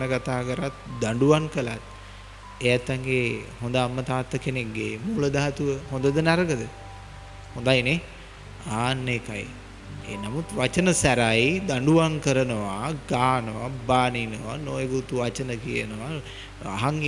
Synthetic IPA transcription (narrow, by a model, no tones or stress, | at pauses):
nəkat̪aːkəɾat̪d̪aɳɖuʋaŋkəlat̪ | ejat̪ːaŋɡehond̪əamːət̪aːt̪ːəkenekɡemuːləd̪aɦat̪uʋəɦõnd̪əd̪ənaɾəɡəd̪ə | hond̪ajne | aːnːekaj | ḛːnamut̪ʋat͡ʃənəsæɾajd̪aɳɖuʋaŋkəɾənəʋaɡaːnəʋabaːninəʋa̰nojəɡut̪uʋat͡ʃənəkijənəʋa | a̰ɦaŋ